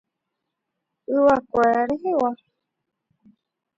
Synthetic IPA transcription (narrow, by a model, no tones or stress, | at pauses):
ɨwakʷeɾaɾeɦewa